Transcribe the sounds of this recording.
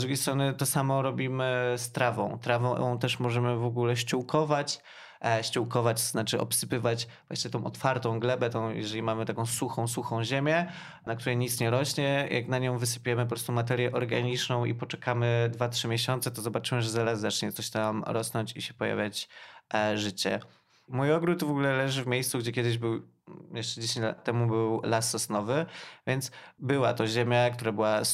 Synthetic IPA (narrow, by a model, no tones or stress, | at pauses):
d̪ɾuɡʲejst̪ɾɔnɘt̪ɔsamɔɾɔbʲimɘst̪ɾavɔ̰̃w̃t̪ɾavɔ̃w̃t̪ɛʂmɔʐɛmɘvɔɡulɛɕt͡ɕuwkʰɔvat͡ɕ | ɕt͡ɕuwkɔvat͡ɕt̪znat͡ʂɘʔɔ̰psɘpɘvat͡ɕvwa̰ɕɲɛt̪ɔ̃w̃ʔɔt̪faɾt̪ɔ̃w̃ɡlɛbɛt̪ɔ̃w̃jɛ̰ʐɛlʲimamɘt̪akɔ̃w̃suxɔ̃w̃suxɔ̃w̃ʑemʲjɛ | nakt̪uɾɛjɲit̪sɲɛɾɔɕɲɛjʔa̰knaɲɔ̃w̃vɘsɘ̥pʲujɛmɘp̬ɔpɾɔst̪umat̪ɛɾjɛʔɔɾɡaɲit͡ʂnɔ̃w̃ḭpɔt͡ʂɛkamɘd̪vatʂɘmʲjɛɕɔnt̪sɛt̪ɔzɔbat͡ʂɘmɘʐɛzaɾazːat͡ʂɲɛt̪sɔɕt̪amɾɔsnɔɲt͡ɕiɕɛ̥pɔja̰vʲjat͡ɕ | ʐɘt͡ɕɛ̰ | mujɔɡɾut̪vɔɡulɛlɛʐɘvmʲjejst̪uɡd͡ʑɛkʲɛd̪ɘʑbɘw | jɛʂt͡ʂɛd͡ʑeɕẽɲt͡ɕla̰t̪ːɛmubɘwlasɔsnɔvɘvʲjɛnt̪sbɘwat̪ɔʑemʲjak̚t̪uɾabɘwa